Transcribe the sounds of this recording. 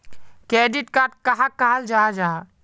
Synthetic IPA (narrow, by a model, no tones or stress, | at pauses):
kɾeɖiʈkaɾʈ̚kəɦãkaɦəld͡ʒaːd͡ʒa